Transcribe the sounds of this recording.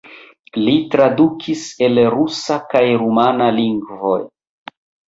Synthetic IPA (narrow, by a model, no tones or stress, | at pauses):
litɾadukʰise̞lɾusakajɾumanaliŋɡvo̞̰j